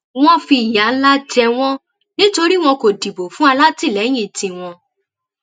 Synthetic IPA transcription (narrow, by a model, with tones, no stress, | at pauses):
w̃ɔ̃˦fi˧˨ja˨˦la˦d͡ʒɛ˧w̃ɔ̃˦ | nĩ˦to˧ɾi˦w̃ɔ̃˧ko˨di˨bo˨fũ˦a˧la˦ti˦˨lɛ˨˦j̃ĩ˦˨tĩ˧w̃ɔ̃˧